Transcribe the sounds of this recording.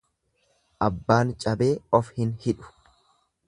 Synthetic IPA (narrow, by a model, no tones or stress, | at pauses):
ʔɐbːaːnt͡ʃʼɐbe̞ːɔfhɪnhɪᶑʊ̥